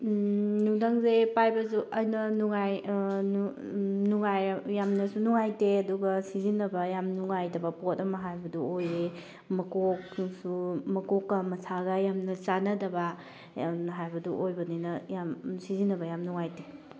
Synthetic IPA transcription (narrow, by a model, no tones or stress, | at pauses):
nuŋdaŋzepajbɐzuʔɐjnɐnuŋaju | nuŋajjamnɐsunuŋajteɐduɡɐsizinːɐbɐjamnuŋajdɐbɐpotɐmɐɦajbɐduoje | mɐkokŋsumɐkɔkːɐmɐsʰaɡɐjamnɐt͡ʃanɐdɐbɐ | ɦajbɐduʔojbɐninɐjamsizinːɐbɐjamnuŋajte